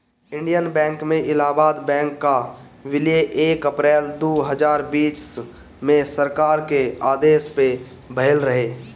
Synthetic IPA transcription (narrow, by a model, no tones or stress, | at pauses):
ɪ̃ɳɖijənbɛ̃ːŋkmẽʔɪlaːbaːd̪bɛ̃ːŋkːa | ʋɪljeʔeːkəpɾɛːld̪oːɦəd͡ʒaːɾbiːt͡ʃ | mẽsəɾkaːɾkeaːd̪eːspe | bʱəɦɪlɾəɦeː